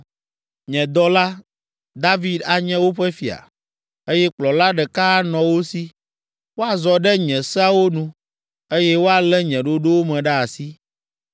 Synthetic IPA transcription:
ɲɛ̃˨d̪ɔ˦la˦ | d̪a˦vi˦d̪a˨ɲɛ̃˦wo˦ɸɛ˦fi˨a̰˨ | e˦jɛ˦k͡plɔ˨la˦ɖɛ˨ka˦nɔ̃˨wo˦si˦ | wo˦a˨zɔ˨ɖɛ˦ɲɛ̃˨sɛ˦a˦wo˦nũ˦ | e˦jɛ˦wo˦a˨lɛ˦ɲɛ̃˨ɖo˦ɖo˦wo˦mɛ̃˨ɖa˦a˨si˦

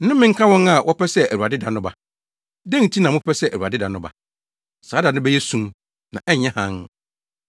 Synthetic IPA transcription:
n̩˦nʊ̃˦mɪ̃˦ŋ̩˦kʰa˦wɔ̃˦na˨wʔɔ˦pʰɛ˦sɛ˦æ˨wu˨a˨dɪ˦da˨nʊ̃˦ba˨ | dɛ̃˦n˨tʰi˦nã˨mʊ̃˦pʰɛ˦sɛ˦ʔæ˨u˨a̰˨dɪ˦da˨nʊ̃˦ba̰˨ | saː˨˦da˨nʊ̃˦bɛ˦jɛ˦sũ˦m | nã˨ʔɛ˦ɲ˨ɛ̃˦hã˦n

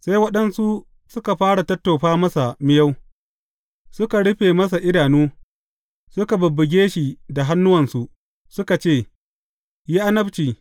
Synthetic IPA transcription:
se˦jwɐ˦ɗɐ˦nsu˦ | sʊ˦ka˨ɸaː˦ɽa˨tɐ˦tːo˨ɸaː˦mɐ˦sa˨mɪ˦ja˦w | sʊ˦ka˨ɽʊ˦ɸeː˨mɐ˦s̬a˨ʔɪ˦daː˨nuː˦ | sʊ˦ka˨bʊ˨bːʊ˨ɡʲeː˦ʃi˨da˨ɦa˦nːʊ˦wɐ˨nsu˨ʔ | sʊ˦ka˨t͡ʃeː˦˨ | jiː˦ʔa˦nɐ˦bt͡ʃiː˨

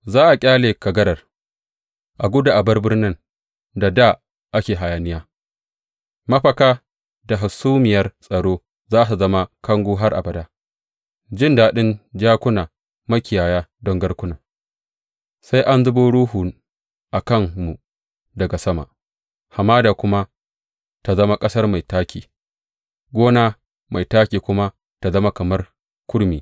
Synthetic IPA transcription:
zaː˦ʔa˨kʲʼaː˦leː˨kɐ˨ɡɐ˦ɾɐ˨r | ʔa˨ɡʷʊ˦da˨ʔa˨bɐ˦rbɪ˦rnɪ˦n | da˨da˦˨ | ʔa˦kʲeː˨ɦa˨ja˨nɪ˦jaː˦ | mɐ˦ɸɐ˨kaː˦ | da˨ɦa˨suː˦mɪ˨jɐ˦rsʼɐ˨ɽoː˦ | zaː˦su˨zɐ˦ma˦kɐ˦ŋɡʷuː˦ɦa˦rʔa̰˨bɐ˨daː˦ | d͡ʒɪ˦ndaː˨ɗɪ˦nd͡ʒaː˦kʷʊ˦naː˨ | mɐ˦kʲɪ˨jaː˨jaː˦dɔ˦ŋɡɐ˦rkʷʊ˦naː˨ | sa˦jʔa˦nzʊ˦boː˦ɽuː˦ɦu˨ | ʔa˨kɐ˦ŋmu˨ | dɐ˨ɡa˨sɐ˦ma̰˨ | ha˨maː˦daː˨kʷʊ˦ma˦ | ta˨zɐ˦ma˦kʼɐ˦sɐ˦rma˨jtaː˦kʲiː˨ | ɡʷoː˦naː˦ | ma˨jtaː˦kʲiː˨kʷʊ˦ma˦ | ta˨zɐ˦ma˦kɐ˨mɐ˦r | kʷʊ˦ɽmiː˨

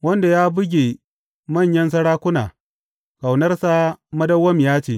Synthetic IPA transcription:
wɐ˦nda˨jaː˦bʊ˦ɡʲe˨ | mɐ˦˨ɲjɐ˦ns̬ɐ˦ɽaː˦kʷʊ˦naː˨ | ka˨wnɐ˦rsa˦mɐ˦dɐ˦wːɐ˦mjaː˦t͡ʃeː˦˨

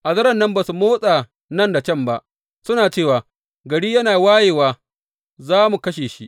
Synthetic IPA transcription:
ʔa˨zɐ˦ɾɐ˨nːɐ˦mbaː˨su˨moː˦sʼaː˨ | nɐ˦˨nda˨t͡ʃɐ˦˨mba˦ʔ | sʊ˦naː˨t͡ʃeː˦˨waː˨ | ɡɐ˨ɽiː˦jɐ˦naː˨waː˦jeː˨waː˨ | zaː˦mu˨kɐ˦ʃeː˨ʃḭ˦ʔ

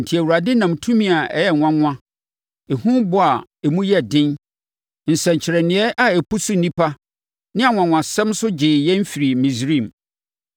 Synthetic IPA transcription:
n̩˨tʰi˨æ˨wu˨ɾa˨dɪ˦nã˨mtʰũ˦mĩ˨a˨ʔɛ̰˨jɛ˨ã˦ŋʷã˦ | ɛ˨hũ˦bʊ˨a˨ɛ˨mũ˦jɛ˦dɪ̃˦n | n̩˨sɛ̃˨ɲ˨t͡ɕʰɪ˨ɾɛ˨nɪ̃˨˦ɛ˦ʔa˨ɛ˨pu˦sʊ˦˨nĩ˦pʰa˦ | nɪ̃˦a˨ŋʷ˨ã˨ŋʷwã˨sɛ̃˦msʊ˦d͡ʑɪ˨jɛ˦m̩˦fi˨ɾi˨mĩ˨sɾĩ˦˨m

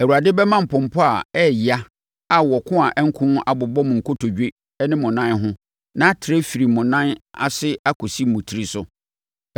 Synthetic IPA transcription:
æ˨u˨ɾa˨dɪ˦bɛ˦mã˦m̩˨pʊ̃˨m̩˨pʰʊ˦a˨ɛ˦˨jɪ˨a˦ | a˨wɔ˨kʰʊ̃˦a˨ʔɛ˦ŋ̩˦kʰʊ̃˦n˦a˨bʊ˨bɔ˦m̃˨ŋ̩˨kʰʊ˦tʰo˨d͡ʑᶣe˦ | nɪ̃˦mʊ̃˨nã˦n˦ɦʊ̃˦ | nã˦tʰɪ˨ɾe˦fi˨ɾi˨mʊ̃˨nã˦na̰˨sɪ˦a˦kʰʊ˨si˦mʊ̃˨tʰi˨˦ɾi˦sʊ˨

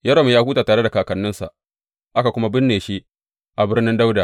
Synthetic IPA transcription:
jɐ˦ɽo˨m˨jaː˦huː˦taː˨taː˨ɽe˦da˨kaː˨kɐ˨nːɪ˦nsa̰˨ʔ | ʔa˦ka˨kʷʊ˦ma˦bɪ˦nːeː˨ʃi˦ | ʔa˨bɪ˦rnɪ˦nda˦wda˨

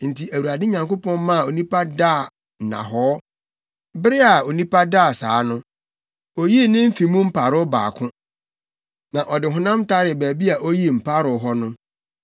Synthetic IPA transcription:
n̩˨tʰi˨æ˨wu˨ɾa˨dɪ˦ɲã˨ŋko˦pʰɔ̃˦n˦mã˦a˨o˨nĩ˦pa˦daː˦˨ | nã̰˨ɦɔː˦ | bɪ˦ɾɪ˦a˨o˨nĩ˦pʰa˦daː˦˨sa̰ː˨˦nʊ̃˦ | o˨ji˦nɪ̃˦m̩˦fi˨mũ˦m̩˦pʰa˨ɾʊ˦ba̰ː˨kʰʊ̃˦ | nã˨ʔɔ˨dɪ˨ɦʊ̃˨nã˦mta˦ɾɪ˨bæː˨bi˦a˨ʔo˦ji˦m̩˨pʰa˦ɾʊ˨ɦɔ˦nʊ̃˦

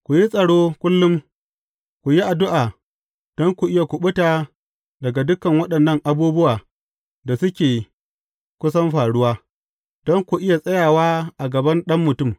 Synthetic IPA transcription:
kʷu˨ji˦sʼɐ˨ɽoː˦kʷʊ˦lːʊ˦m | kʷu˨ji˦ʔa˨dʊ˦ʔaː˨ | d̥ɔ˦ŋkʷu˨ʔɪ˦ja˨kʷʊ˨ɓʊ˦taː˨ | dɐ˨ɡa˨dʊ˦kɐ˨ŋwɐ˦ɗɐ˨nːɐ˦˨ŋʔa˨buː˦bʊ˦waː˨ | da˨sʊ˦kʲeː˨ | kʷʊ˦sɐ˦mɸaː˨ɽʊ˦waː˦ | d̥ɔ˦ŋkʷu˨ʔɪ˦ja˨sʼɐ˦jaː˨waː˦ʔa˨ɡɐ˨bɐ˦nɗɐ˦mːʊ˨tʊ˦˨m

